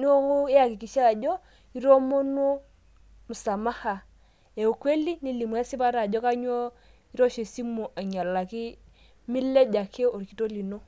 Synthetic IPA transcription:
ni˦o˦ŋu˦ja˨ki˨ki˨ʃa˦˨d͡ʒɔ˦ | i˦ɾo˦mo˦no˦ | mu˨sa˨ma˦ha˨ | e˨u˨kwe˦li˦ni˦li˨mu˨˦a˦si˦ba˦ɾa˨d͡ʒɔ˦ka˦ɲ˦o˦ | i˦ɾo˦ʃe˨si˦mo˨ʔa˨ɲa˨la˨ki˦ | mi˦le˦d͡ʒa˨kʰe˦o˨ɾki˨˦to˦li˨no˦

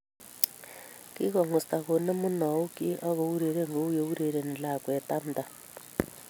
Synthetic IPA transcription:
ki˦ɣɔ˨ŋɔ˨sta˨ɣo˨nɛ˦mu˦na˨u˦ki˦ʔa˦ɣo˨u˦ɾe˨ɾe˦ŋɡo˨˦u˦jo˨u˦ɾe˨ɾe˨n˨la˨kwɛ˨ta˦n˨d̪a˨

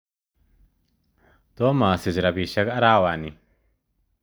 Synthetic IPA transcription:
t̪o˦ma˨si˨d͡ʒɾa˨bi˨ʃa˦ka˦ɾa˦wa˨ni˨

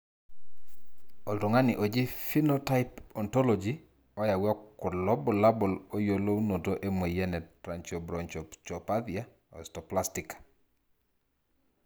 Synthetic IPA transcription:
ɔ˨ltɔ˨ŋa˦nɪ˨ʔo˨d͡ʒi˦fi˦nota˦ɪpɔntɔ˦lɔd͡ʒi | ɔ˦ja˨wɔ˦kːʊ˨dlɔ˦bɔ˨la˦bɔ˨lo˦jo˨lo˦wno˨toʔe˦me˨jɛ˦nɛ˨tɾant͡ʃɔ˨bɾɔnt͡ʃɔt͡ʃɔpat̪ia˦ | ɔ̰ɛstɔplastikḁ

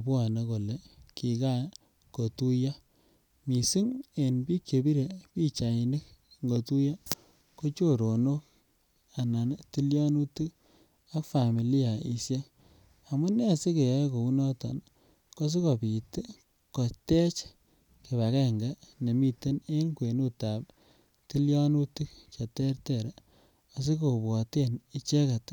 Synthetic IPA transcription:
pwa˨ne˨ko˨le˨ki˨ka˦ | ko˨tu˦ja˦ | mi˨si˦ŋe˨npi˦kt͡ʃe˨bi˦ɾe˨pi˦t͡ʃa˨i˨nɪ˦k̚ŋɡo˨tu˦ja˦ | ko˦t͡ʃo˦ɾo˨no˦k̚ | a˨na˨nti˦ljɔ˦nu˦tɨ˦ | a˦kfa˨mi˨li˦a˨ḭ˨sje˦ | a˨mu˦ne˦a˨si˦ke˨ja˨˦ko˨u˦nɔ˦tɔ̰˨n | ko˦s̬i˦ko˨pi˨te˦ | ko˨te˦t͡ʃ | ke˨βa˨kɛ˦ŋɡa˦ne˨mi˦te˦ne˦ŋkwe˨nu˦ta˨p̚ | ti˦ljɔ˦nu˦tɨ˦kt͡ʃa˨tɛ˦ɾtɛ˨ɾa˨ | a˨s̬i˦k̬o˨bwɔ˨te˦ni˨t͡ʃe˦ka˨t

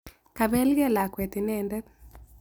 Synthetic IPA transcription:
ka˨βɛ˦lɡɛ˦˨la˨kwɛ˨t̪ɪ˨nɛ˦ndɛ˦t̚

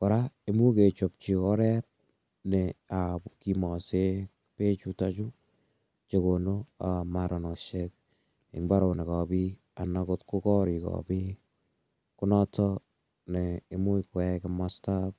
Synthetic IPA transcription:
kɔ˨ɾae˦mu˦ke˨t͡ʃɔp̚t͡ʃi˨kɔɾɛt̚ | nɛaki˨mɔ˨se | pe˦t͡ʃutat͡ʃu˦ | t͡ʃe˨ko˨no˦amaɾɔ˨nɔʃek̚ | ɪ̰˨mba˦ɾo˨nɛ˨kɔbi˦ | a˨na˨kotko˦kɔ˦ɾi˨kɔ̰bi˦ | kʊ˦nɔtʰɔ | nɛː˨mu˦ikwɛkɪmastap̚

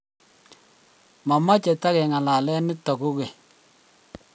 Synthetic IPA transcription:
ma˨ma˦t͡ʃe˨ta˦ɣɛ˨ŋa˨la˨lɛ˦nɪ˦tɔ˨ku˦ɣe˨

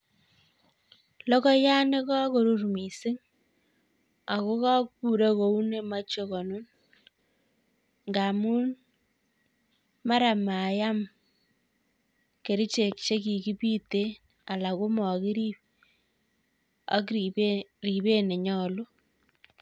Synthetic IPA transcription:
lɔ˦kɔ˦ja˦ne˦ka˦ko˨ɾu˦rmi˨sɪ˦ŋ | a˨ko˦ka˦kpu˨ɾa˦ko˨u˦ne˦ma˦t͡ʃo˦kɔ˨no˦n | ŋɡa˨mu˦n | ma˦ɾa˨ma˨ja˦m | ke˨ɾi˦t͡ʃe˨k̚t͡ʃe˦ki˨ki˦pi˦te˦ | a˨la˨ko˦mɔ˨kɪ˦ɾi˦p̚ | a̰˦k | ri˨βe˦ne˨ɲɔ˦˨lo˦

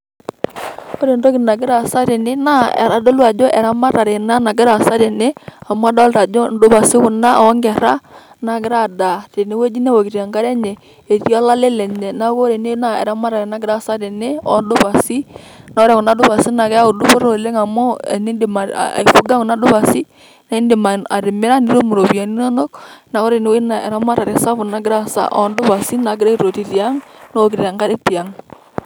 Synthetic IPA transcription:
ko˦ɾe˨ndo˦kɪ˨na˨ɡɪ˦ɾa˨sa˦ɾe˨nɪ˦na˦ɛ̰˨ɾa˨do˦lu˦a˨d͡ʒɔ˦ʔɛ˨ɾa˦ma˦ɾa˨ɾe˨na˦na˨ɡɪ˦ɾa˨sa˦ɾe˨nɪ˦a˨mʊ˦a˦da˦lɾa˨d͡ʒɔ˦n˦dʊ˦ba˨sɪ˦kʊ˨na˦˨˦ŋɡɛ˨ɾa˦ | na˨ɡɪ˦ɾa˦˨da˨te˨ne˨˦we˦d͡ʒi˦nɛ˦wo˨kɪ˨ɾa˨ŋɡa˦ɾɛ˦ɲɛ˨ | e˨ti˦a˦la˦le˦lɛ˨ɲɛ˨na˦ko˦ɾe˨n˦na˦˨ɛ̰˨ɾa˦ma˦ɾa˨e˨na˦ɡɪ˨ɾa˦˨sa˦ɾe˨nɪ˦ɔ̰˨˦ndʊ˦pa˨si˦ | na˦ɾɛ˦kʊ˨na˨˦dʊ˦pa˨si˦na˨kɛ˦a˦ʊ˨dʊ˦po˦ɾo˨le˦ŋa˨mɔ̰˦˨ni˦ndɪ˨ma̰˨a̰˨i˨fu˦ɡa˦kʊ˨na˦dʊ˦βa˨si˦ | na˦i˦ndɪ˨ma˨a˨ɾɪ˨mɪ˦ɾa˦ni˦ɾo˦mu˨ɾo˨bi˨a˨ni˦nɔ˦nɔ˦kna˨˦ko˦ɾe˨ne˦we˦na˨ɛ̰˨ɾa˦ma˦ɾa˨ɾe˨sa˦fʊ˨na˦ɡɪ˦ɾa˦sa̰˦ʔɔ̰˦ndʊ˦ba˨si˦na˨ɡɪ˦ɾa˦i˦ɾo˨ti˨ti˨a˦ŋno˦o˨kɪɾa˨ŋɡa˦ɾɛ˦ti˨a˨ŋ

